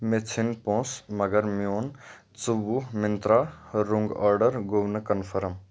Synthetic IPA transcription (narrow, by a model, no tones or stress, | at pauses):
met͡sʰinpõːsmɐɡəɾmijoːn | t͡suʋumɪnt̪ɾaɾuŋɡɔɾɖəɾɡoʋnəkənpʰəɾəm